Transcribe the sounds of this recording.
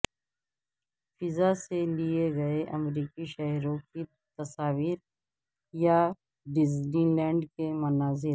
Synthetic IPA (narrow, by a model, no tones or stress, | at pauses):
fɪzaselieɡɐeʔɐmɾiːkiʃɐɦɾõki | t̪ɐsaːʋiːɾ | ja | ɖɪzlilɛ̃ːɳɖkemʊnaːzɪɾ